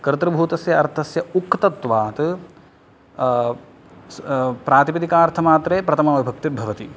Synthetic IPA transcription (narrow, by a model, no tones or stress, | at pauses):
kɐɾɐt̪ɾɐbʱuːt̪ɐsjɐɐɾt̪ʰɐsjɐukːt̪ɐt̪ʋaːt̪ɨ | pɾaːt̪ipid̪ikaːɾt̪ʰɐmaːt̪ɾeːpɾɐt̪ʰɐmaːʋibʱɐk̚t̪ibʱɐʋɐt̪i